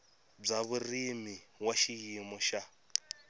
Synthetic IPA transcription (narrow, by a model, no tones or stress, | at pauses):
b͡ʐaβurimiwaʃijimɔʃa